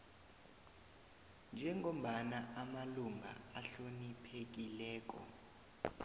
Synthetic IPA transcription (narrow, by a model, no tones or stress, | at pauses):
nd͡ʒʱɛŋom̩ɓanaamaluŋʱa̰aɬonipʰek̬ilɛːk̬ʼɔ̰